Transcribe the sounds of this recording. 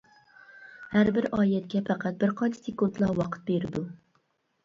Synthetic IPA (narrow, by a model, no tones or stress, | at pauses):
hæɾbɪɾɑːjɛt̪̚kʲɛpʰæqʰæt̪̚bɪɾqʰɑnt͡ʃʰi̥sekunt̪lˠɑwɑqʰə̥t̪̚beɾɪd̪u